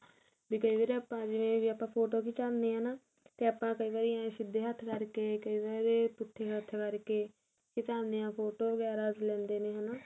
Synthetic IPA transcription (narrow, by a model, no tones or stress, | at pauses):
biːkəiːʋaːɾeːaːpãːd͡ʒɪʋẽːʋiːapãːpʰoːʈoːkiːt͡ʃaːnd̪eːɦənaː | t̪eːaːpːãːkəiːʋaːɾiːjãːʃɪd̪ːeːɦət̪ʰɾəɾkeːkəiːʋaːɾeːpʊt̪ʰːeːɦət̪ʰkəɾkeː | t͡ʃɪt̪aːnd̪ejãːpʰoːʈoːbəɡɛːɾaːd͡ʒlɛ̃ːnd̪eːneːɦənaː